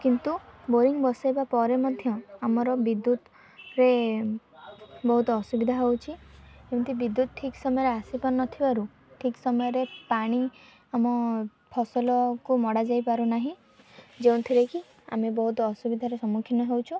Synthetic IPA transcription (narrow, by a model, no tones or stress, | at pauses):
kint̪uboɾiŋbɔsajbapɔɾemɔd̪ʱjɔamɔɾɔbid̪ːut̪ | ɾe | bɔɦut̪ɔɔsubid̪ʱaɦewt͡ʃʰid͡ʒew̃nt̪ʰibid̪ut̪ɔʈʰiksɔmɔjɔɾeasipɔnːɔt̪ʰibaɾu | ʈʰiksɔmɔjɔɾepaɽ̃i | amɔ | pʰɔsɔlɔkumɔɽad͡ʒajpaɾunaɦĩ | d͡ʒewnt̪ʰiɾeki | a̰mebɔɦut̪ɔɔsubid̪ʱaɾesɔmukʰinɔɦewt͡ʃʰu